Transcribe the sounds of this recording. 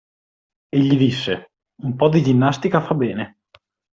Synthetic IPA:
eʎːid̪isːe | umpɔd̪id͡ʒinːast̪ikafabɛːne

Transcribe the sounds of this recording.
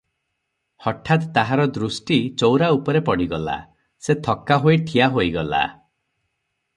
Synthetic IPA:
hɔʈʰːat̪t̪aɦaɾɔd̪ɾusʈit͡ʃowɾaupɔɾepɔɽiɡɔla̰ | set̪ʰɔkːaɦojʈʰijaɦojɡɔla̰

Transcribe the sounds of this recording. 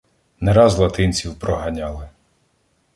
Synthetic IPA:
nɛɾɑzlˠɐt̪ɪnʲt͡sʲiwpɾɔɦɐnʲɑlˠɪ

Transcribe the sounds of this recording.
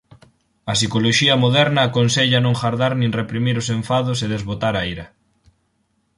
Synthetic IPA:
ɐsikoloʃiɐmoðɛɾnɐːkonseʎɐnõŋxaɾðaɾnĩŋrepɾimiɾoseɱfaðʊseðezβot̪aɾajɾɐ

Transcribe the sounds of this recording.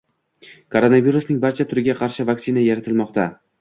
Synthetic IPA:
kʰo̞ɾo̞naviɾʊsnɪŋbaɾt͡ʃʰat̪ʰʊɾɪɡʲaqʰɑɾʃɪvaksɪnajaɾat̪ʰɪlmɒqt̪a

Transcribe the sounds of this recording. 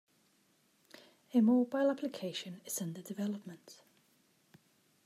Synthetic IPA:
əmɔːbaɪlapʰlɪkʰeɪʃə̃nɪz̥ə̃ndədɪvɛləpmə̃nt

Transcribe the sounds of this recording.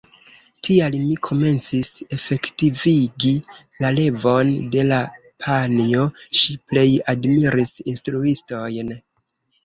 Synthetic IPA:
tʰialmikʰo̞me̞nt͡sise̞fe̞ktiviɡi | lale̞vo̞nde̞la | pʰanio̞ʃiple̞jadmiɾisinstɾuisto̞jn

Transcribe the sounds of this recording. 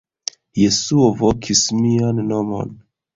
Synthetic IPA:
je̞suovokʰismianːo̞mo̞̰n

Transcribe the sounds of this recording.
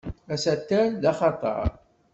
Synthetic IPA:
æsæt̪ːæɾðɑχɑt̪ˤɑ̰ɾˤ

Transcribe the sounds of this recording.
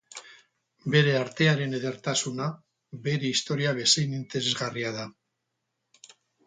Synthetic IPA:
be̞ɾe̞aɾt̪e̞aɾe̞ne̞ð̞e̞ɾt̪asuna | be̞ɾe̞ist̪o̞ɾiaβ̞e̞sejnint̪e̞ɾe̞zɣariað̞a

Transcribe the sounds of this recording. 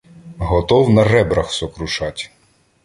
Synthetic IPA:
ɦɔt̪ɔwnɐrɛbɾɐxsɔkɾʊʃɑtʲ

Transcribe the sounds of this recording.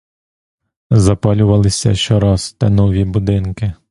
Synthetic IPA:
zɐpɑlʲʊʋɐlˠɪsʲɐ̰ʃɔɾɑst̪ɐnɔʋʲibʊd̪ɪnkɪ

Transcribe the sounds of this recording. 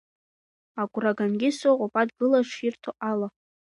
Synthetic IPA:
aɡʷʼraɡanɡʲɪsoqʷʼopʼadɡɨlaʂirtʰoʔala

